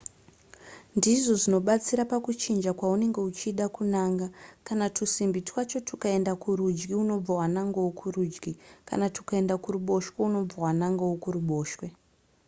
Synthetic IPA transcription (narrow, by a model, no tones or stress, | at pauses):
ndiʐo̞ʐino̞ɓat͡siɾapakut͡ʃind͡ʒakwaune̞ŋɡe̞ut͡ʃiːɗakunaːŋɡakanatusimbitwat͡ʃo̞tʰukae̞ndakuɾud͡ʒɡiuno̞b͡vawanaŋɡowokʰuruːd͡ʒɡika̰natu̥kae̞ndakuɾuɓo̞ʃweuno̞b͡vawanaŋɡowokuɾuɓo̞ːʃwe